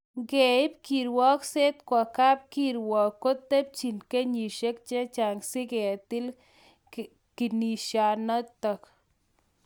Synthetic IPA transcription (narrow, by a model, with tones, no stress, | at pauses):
ɡe˨ɪ˦p̚ki˨ɾwɔ˦kse˦t̪kwa˨ka˦p̚ki˦ɾwɔ˨kːo˦t̪ːe˦p̚t͡ʃi˨nke˦ɲi˨ʃe˦k̚t͡ʃe˦t͡ʃa˨ŋsɪ˦ɡe˨t̪ɪ˦l | ki˨ni˨ʃja˨nɔ˦t̪ɔ˨k